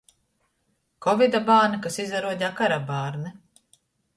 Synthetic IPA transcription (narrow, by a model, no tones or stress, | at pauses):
kɔvid̪abaːnakasizaɾuɔɟ̪ʲakaɾabaːɾnɛ